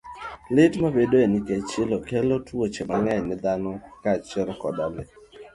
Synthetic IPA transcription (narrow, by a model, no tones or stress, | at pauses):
lɪtmabedoeniket͡ʃɪlokɛlotwot͡ʃemaŋɛɲnɪd̪anɔkat͡ʃɛɾkɔdalɛ